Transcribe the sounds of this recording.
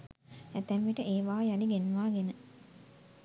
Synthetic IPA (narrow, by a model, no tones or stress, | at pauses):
æt̪ɛʋʋiʈəʔeːʋaːjaliɡenʋaːɡenə